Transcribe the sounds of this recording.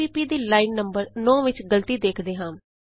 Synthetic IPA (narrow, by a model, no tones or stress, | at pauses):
iːpiːd̪iːlaːɪnnːəmbəɾnɔ̃ːʋɪt͡ʃɡəlt̪iːd̪eːkʰd̪eːɦãːm